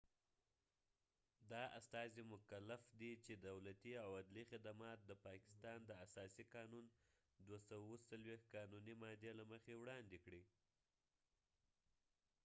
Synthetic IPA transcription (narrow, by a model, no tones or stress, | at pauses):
d̪ɑa̰st̪ɑzimʊkalafd̪it͡ʃed̪awlat̪iawad̪lixɪd̪amɑt̪̚d̪əpɑkɪ̥st̪ɑnd̪əasɑsiqɑnun | d̪wasawawosalwexkɑnunimɑd̪elaməxewɽɑnd̪ekɽi